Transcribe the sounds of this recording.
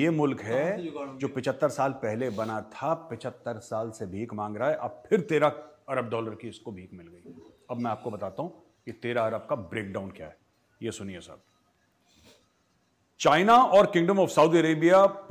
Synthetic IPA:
eːmʊlkɦɛd͡ʒoːpɪt͡ʃʰət̪ːəɾsaːlpɛɦlebɐnat̪ʰapɪt͡ʃʰət̪ːəɾsaːlsebʱiːkmãːŋɡɾaaɦɛʔɐb̚pʰɪɾt̪eːɾaɐɾəb̚dɔːləɾkiɪskobʱiːkmɪlɡɐiːɐbmɛ̃aːp̚kobɐt̪aːt̪aɦũ | kit̪eːɾaɐɾəb̚kabɾeːk̚ɖaːʊnkja̰ːɦɛ | jesʊniesɐ̰b̚ | t͡ʃaːɪnaɔːɾkɪ̃ŋɖə̃mɔːfsɐʊd̪iəɾeːbija

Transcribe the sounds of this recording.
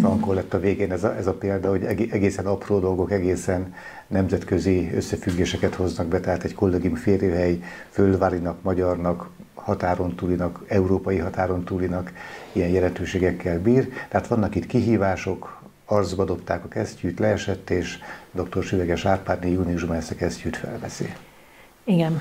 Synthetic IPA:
sɒŋkolːɛt̪ːɒveːɡeːnɛzɛzɒpeːld̪ɒho̞ɟɛʔɛɡeːsɛnɒproːd̪o̞lɡo̞kɛɡeːsɛnː | ɛmzɛt̪kø̞ziø̰sːɛfyɡːeːʃɛkɛt̪ho̞znɒɡbɛt̪ɛɦaːt̪ɛɟko̞lːeɡimfeːrjøːɦɛjfølvaːɾinɒkmɒɟɒrnɒk | hɒt̪aːɾo̞nt̪uːlinɒkɛuɾoːpɒjiɦɒt̪aːɾo̞nt̪uːlinɒkijɛjjɛlɛnt̪øːʃeːɡɛkːɛlbiːrt̪ɛɦaːt̪ʋɒnːɒkit̪kiɦiːvaːʃo̞k | ɒrd̪zbɒd̪o̞pt̪aːkɒkɛscyːt̪lɛːʃɛt̪ːeːʃd̪o̞k̚t̪o̞rʃyvɛɡɛʃaːrpaːrnijuːniuʒbmɛsɛkɛscyːt̪fɛ̰lvɛsḭ | iɡɛn

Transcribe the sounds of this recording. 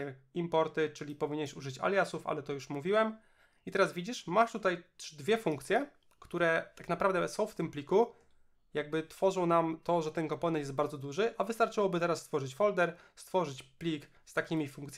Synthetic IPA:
impɔɾt̪ɘt͡ʂɘlʲipɔvʲiɲɛɕuʐɘt͡ɕa̰lʲjasufa̰lɛt̪ɔjuʂmuvʲiwɛm | it̪ɛɾasvʲid͡ʑiʂmaʂt̪ut̪ajd̪vʲjɛfuŋkt̪sʲjɛ | kt̪uɾɛt̪aknapɾavd̪ɛsɔ̃w̃ft̪ɘmplʲiku | jaɡ̚bɘt̪fɔʐɔ̃w̃namt̪ɔʐɛt̪ɛnkɔmpɔnɛnt̪ɛsbaɾd̪zɔd̪uʐɘʔavɘst̪aɾt͡ʂɘwɔbɘt̪ɛɾasːt̪fɔʐɘt͡ɕfɔld̪ɛɾst̪fɔʐɘt͡ɕplʲik | st̪akʲimʲifuŋkt̪sʲ

